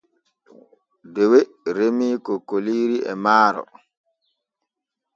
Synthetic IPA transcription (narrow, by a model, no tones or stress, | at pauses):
dɛwe | ɾemiːkɔkoliːɾiɛmaːɾɔ̰